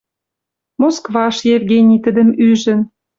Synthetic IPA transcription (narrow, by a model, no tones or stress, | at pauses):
moskvɑʃjevɡenʲit̪ə̆d̪ə̆myʒə̆n